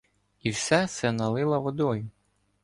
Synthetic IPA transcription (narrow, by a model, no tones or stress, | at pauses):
iwsɛsɛnɐlˠɪlˠɐʋɔd̪ɔjʊ